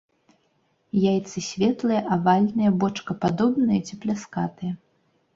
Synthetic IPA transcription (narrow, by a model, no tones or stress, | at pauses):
jajt̪sɨsʲvʲɛt̪lˠɨjɐʔavalʲnɨjɐbɔt͡ʂkɐpad̪ɔbnɨjɐt͡sʲiplʲaskat̪ɨjɐ